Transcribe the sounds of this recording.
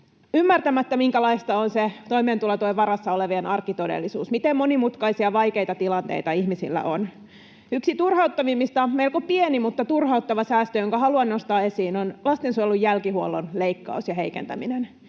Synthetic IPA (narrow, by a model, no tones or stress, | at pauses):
ymːært̪æmæt̪ːæmiŋkælɑist̪ɑonset̪oimeːnt̪ulɑt̪oiʋɑɾɑsːɑoleʋienɑrkːit̪odḛlːisuːsmit̪emmonimut̪kɑisiɑʋɑjke̞jt̪ɑt̪ilɑnt̪ḛit̪ɑihmisḭlːæ̰ʔon | yksit̪urhɑut̪ːɑʋimːist̪ɑmeilkopienimut̪ːɑt̪urhɑut̪ːɑʋɑsæːst̪øjoŋkɑhɑluɑnːost̪ɑːe̞siːnonlɑst̪ensujelːujːælkihuolːonleikːɑ̰usjɑɦe̞ikḛnt̪æ̰minen